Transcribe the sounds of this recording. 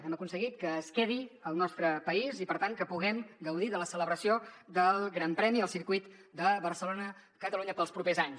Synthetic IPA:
ɛməkunsəɣit̪̚kəːskɛðiəlˠnɔst̪ɾəpəizipəɾt̪aŋkəpuɣɛmɡəwðiðələsələβɾəsiod̪əlˠɣɾampɾɛmiəlˠsiɾkwuit̪d̪əβəɾsəlonə | kət̪əluɲəpəlˠspɾupezaɲs

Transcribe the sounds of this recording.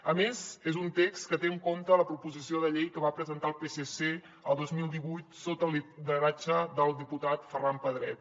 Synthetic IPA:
əmezezunt̪ekskət̪eəŋkomt̪ələpɾupuzisioðəʎejkəβapɾəzənt̪alˠpesese | əlˠd̪ozmilˠd̪iβujt̪sot̪əlˠiðəɾat͡ʃəðəlˠd̪iput̪at̪fərampəðɾɛt̪̚

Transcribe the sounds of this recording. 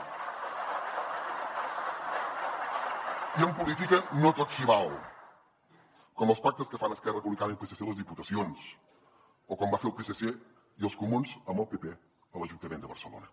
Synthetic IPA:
iəmpulit̪ikənot̪otsiβal | kɔməlˠspak̚t̪əskəfanəskɛrəpuβlikanəilˠpeseseləzðiput̪əsions | okɔmbafeɾlˠpesese | iəlˠskumunzəməlˠpepe | ələʒunt̪əmend̪əβə̰ɾsəlo̰nə

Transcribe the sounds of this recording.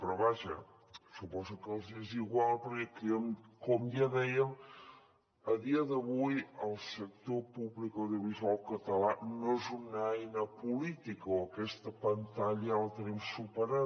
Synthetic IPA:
pəɾɔβaʒə̰ | supɔzukəlˠzeziɣwalˠpəɾkekiəmkɔmjaðɛjəm | əðiəðəβujəlˠsək̚t̪opuβlikəwðiuβizualˠkət̪əlanoezunɛjnəpulit̪ikəoəkɛst̪əpənt̪aʎələt̪ənimsupəɾa

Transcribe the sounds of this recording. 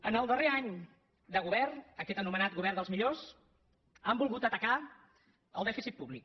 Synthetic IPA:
ənəlˠd̪əreaɲ | d̪əɣuβɛrnəkɛt̪ənumənat̪̚ɣuβɛrðd̪əlˠzmiʎos | ambulˠɣut̪ət̪əka | əlˠd̪ɛfisit̪̚puβlik̚

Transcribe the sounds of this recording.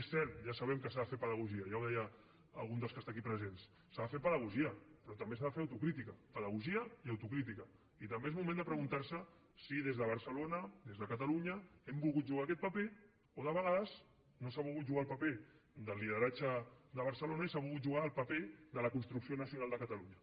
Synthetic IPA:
esɛlʒasəβɛmkəsaðəfepəðəɣ̞uʒiəjawðɛjaː | lˠɣund̪əlˠskəst̪ak̬ipɾəzensː | aðafepəðəɣuʒiəpɾɔt̪əmbesaðafeɾəwt̪ukɾit̪ikəpəðəɣ̞uʒiəiawt̪ukɾit̪̬ikə | it̪əmbezmumẽnd̪əpɾəɣunt̪aɾsə | siðezðəβ̞əɾsəlonəðezðəkət̪aluɲəɛmbulˠɣut̪̚ʒuɣ̞akɛt̪̚pəpe | oðəβəɣaðəz | nosaβulˠɣut̪ʒuɣalˠpəped̪əlːiðəɾat͡ʃəd̪əβ̞əɾsəlonaisaβulˠɣut̪ʒuɣaːlˠpəped̪ələkunst̪ɾuksionəsiunalˠd̪əkət̪əluɲə

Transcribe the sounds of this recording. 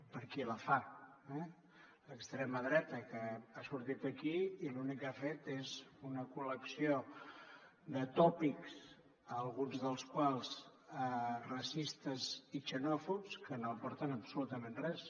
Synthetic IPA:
pəɾkiləfaɛ | ləkst̪ɾɛməðɾɛt̪əkəasuɾt̪it̪əkiːlunikːafet̪ezunəkuləksio | ðət̪ɔpiks | əːlˠɣunzðəlˠskwalˠz̥ərəsist̪əzit͡ʃənɔfupskənopɔɾt̪ənəbsulut̪əmẽnrɛs

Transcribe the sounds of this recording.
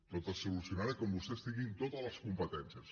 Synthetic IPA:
t̪ot̪əsulusjunaɾekombust̪ɛst̪iŋint̪ot̪əzləskumpət̪ɛnsjəs

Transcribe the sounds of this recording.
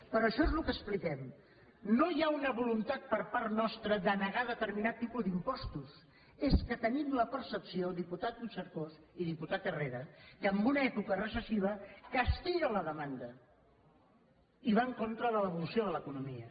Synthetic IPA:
pəɾɔəʃɔezlukəsplikɛm | nojaunəβulunt̪at̪̚pəɾpaɾt̪nɔst̪ɾəd̪ənəɣaðət̪əɾminat̪ːipud̪impɔst̪us | eskət̪ənimləpəɾsəpsiod̪iput̪at̪̚ːusəɾkosiðiput̪at̪əreɾəkəəmbunəɛpukərəsəsiβ̞əkəst̪iʎələðəmand̪ə | iβaəŋkont̪ɾəðələβ̞ulusioðələkunumiə

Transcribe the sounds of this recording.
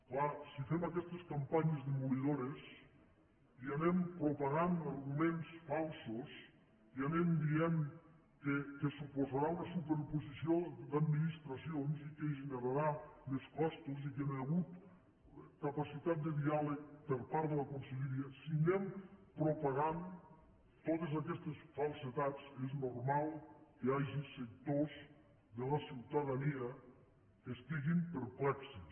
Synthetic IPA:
klasifɛmakɛst̪eskampaɲezðemuliðoɾes | ianɛmpɾopaɣanaɾɣumensfalˠsos | ianɛmd̪ien | kekesupozaɾaunasupeɾupuzisijod̪ad̪minist̪ɾasionzikeʒeneɾaɾameskɔst̪uzikenaɣut̪ | kapasit̪at̪̚d̪əðialek̚pelpaɾðelakonseʎeɾiasiɣɛmpɾopaɣan | t̪ot̪ezakɛst̪esfalˠset̪at̪t͡seznoɾmalˠkeaʒisek̚t̪oz | ðəlasiwt̪aðaniɐ | kest̪iɣimpəɾplɛkse

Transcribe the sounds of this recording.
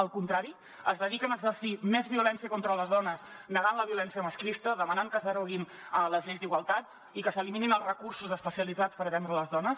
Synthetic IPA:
əlˠkunt̪ɾaɾi | əzðəðikənəːɡzərsimɛzβiulɛnsiəkɔnt̪ɾələzðɔnəs | nəɣanləβiulɛnsiəməsklist̪əðəmənaŋkəzðəɾuɣin | ələzʎejzd̪iɣwəlˠt̪at̪̚ | ikəsəlimininəlˠrəkuɾsuzəspəsiəlid͡zat͡spəɾət̪ɛnd̪ɾələzðɔnəs

